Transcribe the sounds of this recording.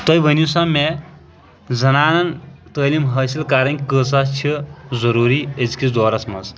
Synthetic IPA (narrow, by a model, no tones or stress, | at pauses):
t̪əjʋənusame | d͡zɐnaːnɐnt̪əːlimɦɐsilkaːɾɐnkʲkəsast͡ʃʰizɐɾuːɾiet͡skʲid̪ɔːɾɐsmɐ̰s